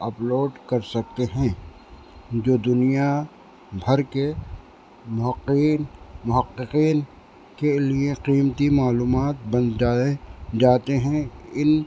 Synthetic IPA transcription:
ɐploːɖkɐɾsɐk̚t̪eɦɛ̃ | d͡ʒoːd̪ʊnija | bʱɐɾke | mʊɦəqːiːnmʊɦəqːɪqiːn | kelieqiːmt̪imaːluːmaːt̪bɐ̃naed͡ʒaːt̪eɦɛ̃ɪn

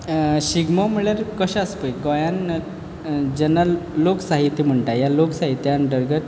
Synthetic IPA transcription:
ɕiɡmɔmiɭjaɾkəɕəspəjɡɔjãn | d͡ʑɛnːaloksaɦit̪ːim̤əɳʈajaloksaɦit̪ːjanɖəɾɡət̪

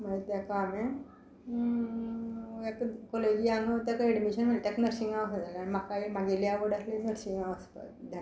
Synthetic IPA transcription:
m̤əet̪jakame | ekkoled͡ʑiãŋɡət̪akeɽmiɕənm̤ət̪jaknəɾsiŋɡaʋəsəd͡zalaɽ̃imakaemaɡiljaʋəɽaslinəɾsiŋɡaʋəspa̰t̪d̪ʱa

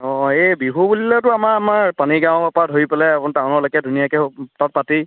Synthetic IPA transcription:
ɔ̃ebiɦubulilɛtʊamaamaɹpaniɡãw̃papadʱɦoipɛlɛapʊntaw̃nɔlɔkɛdʱunijakɛtat̚pati

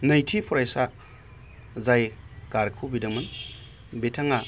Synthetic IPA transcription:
najtʰipʰɔɾajsa | zajkaɾkʰubidɐmɐn | betʰaŋa

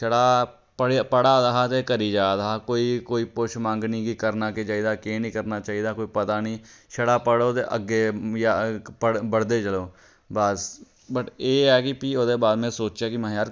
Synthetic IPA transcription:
ʃəɽaː | pəɽpəɽaːd̪aɦaːt̪eːkəɾiːd͡ʒaːd̪aaːkoːiːkoːiːpʊʃʰmãːŋɡniːkikəɾnaːket͡ʃaːiːd̪aːkeːnĩːkəɾnaːt͡ʃaːiːd̪aːkoːiːpət̪aːnĩːʃəɽaːpəɽoːt̪ḛʔə̰ɡːeːjapəɽbəɽd̪eːt͡ʃəloː | bəs | bəʈeːɛːkɪpiːoːd̪eːbaːd̪mɛ̃ːsoːt͡ʃjaːkɪməɦjaːɾ

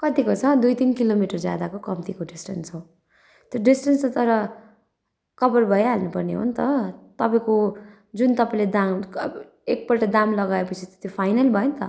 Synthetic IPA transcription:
kʌt̪ikot͡sʰʌd̪ujt̪inkilomiʈʌrd͡zja̰d̪akokʌmt̪ikoɖisʈʌnsow̃ | t̪joɖisʈʌnst̪ʌɾʌ | kʌbʌrbʱʌjalnupʌrnḛɦṵnt̪ʌt̪ʌpaĩko | d͡zunt̪ʌpaĩled̪am | ek̚pʌʈʌd̪amlʌɡaepʌt͡sʰit̪ot̪jopʰajnʌlbʱʌjont̪ʌ

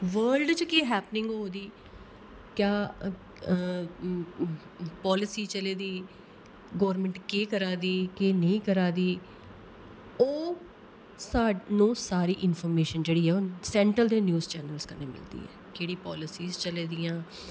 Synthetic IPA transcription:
ʋəːlɖt͡ʃkeːɦɛːpnɪ̃ŋɡɦoːd̪iː | kjaː | pɔːlɪsiːt͡ʃəleːd̪iː | ɡɔːɾmɛ̃ːɳʈkeːkəɾaːd̪iːkeːnəĩːkəɾaːd̪iː | oː | saːnũːsaːɾiːʔɪnfʰɔːɾmeːʃənd͡ʒeːɽiːɦɛːoːsɛ̃ːɳʈɾəld̪eːnjuːzt͡ʃɛːnəlskəneːmɪ̰ld̪ḭːɦɛ̰ːkeːɽiːpɔːlɪsiːzt͡ʃəleːd̪iːãː

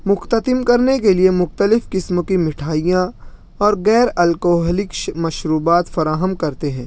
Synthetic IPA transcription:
mʊxt̪ət̪ɪmkɐɾnekeliemʊxt̪əlɪfkɪsmõkimɪʈʰaːijã | ɔːɾɣɛːɾɐlkoːɦlɪkʃmɐʃɾuːbaːt̪fɐɾaːɦəmkɐɾt̪eɦɛ̃ː

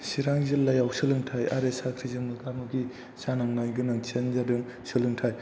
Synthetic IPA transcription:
siɾaŋzilːajawsɯlɯŋtʰaja̰ɾesakʰɾizɯmɯɡamuɡi | sanaŋnajɡɯnaŋt͡ʃʰenzadɯŋ | sɯlɯŋtʰaj

